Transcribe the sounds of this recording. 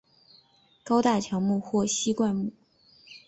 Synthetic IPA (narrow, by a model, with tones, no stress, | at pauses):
kɑ˥ʊt̪a˥˩t͡ɕʰjɑ˧˥ŋmu˥˧xwɔ˥˩ɕi˥kwa˥˧nmu˥˩